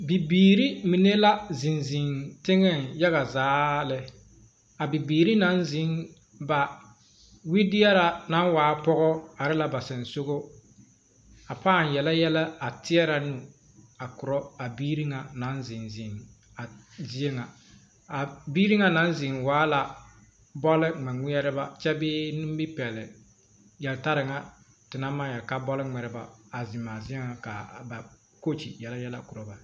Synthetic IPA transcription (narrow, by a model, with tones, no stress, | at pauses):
bi˨biː˨ɾi˦mi˨ne˦la˦zɪ˨nzɪ˨ŋtɪ˦ŋɛ˦nja˦ɣa˨zaː˨˦lɪ˦ | a˨bi˨biː˨ɾi˦na˦nzɪ˨˦ŋ | ba˨ | wi˦dɪ˦ɛ˦ɾa˨na˦n˦waː˨˦pɔ˦ɣɔ˦a˨ɾɪ˦la˦ba˨sɪ˨nso˦ɣo˦ | a˨paː˦˨njɛ˨la˦jɛ˦la˦a˨tɪ˦ɛ˦ɾa˨nu˦ | a˨kʊ˨ɾɔ˦a˨biː˦ɾi˦ŋa˨na˨˦nzɪ˨nzɪ˨n | a˨ | zi˦e˦ŋa˨ | a˨biː˦ɾi˦ŋa˦na˦n˦zɪ˨ŋwaː˨˦la˨ | bɔ˦lɪ˦ŋ͡mɛ˨ŋʷi˦ɛ˦ɾɨ˦ba˦t͡ʃɛ˦bɪː˦nu˦m˦bi˦pɛ˨lɪ˨ | jɛ˨lta˦ɾɪ˨ŋa˦ | tɪ˨na˦ma˦jɛ˨ka˦bɔ˦lɪ˦ŋ͡mɛ˨ɾɪ˦ba˦a˨zɪ˨ma˨zi˦e˦ŋa˨ka˨ba˨ | ko˦t͡ʃḭ˨jɛ˨la˦jɛ˦la˦kʊ˨ɾɔ˦ba˨